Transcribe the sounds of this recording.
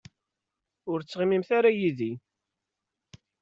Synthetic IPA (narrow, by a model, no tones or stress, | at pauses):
ʊɾt͡sːʁimimθaɾajiði